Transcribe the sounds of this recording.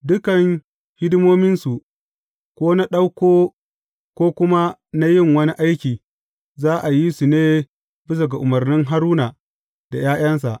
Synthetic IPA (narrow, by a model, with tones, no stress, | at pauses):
dʊ˦kɐ˨ŋ | hɪ˦dmoː˦mɪ˦nsu˨ | kʷoː˦na˦ɗa˦wkʷoː˦ | kʷoː˦kʷʊ˦ma˦na˦jɪ˦˨ŋwɐ˦ni˦ʔa˦jkʲiː˨ | zaː˦ʔa˨ji˦su˨neː˦ | bɪ˦s̬ɐ˨ɡa˨ʔʊ˨mɐ˨rnɪ˦ŋɦa˦ɾuː˦na˨ | d̥a˨jaː˦j̰ɐ˦ns̬a˨ʔ